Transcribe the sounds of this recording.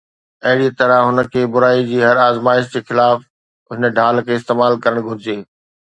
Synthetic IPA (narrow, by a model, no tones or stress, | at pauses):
ɐɦɪɽit̪ɐɾəɦʊnə̆kʰeːbʊɾaːid͡ʑiːɦɐɾaːzmaːɪʃ̬d͡ʑeːxɪlaːf | ɦɪnəɖʱaːlkʰeːɪst̪eːmaːlkɐɾəɽ̃ɡʱʊɾɪd͡ʑeː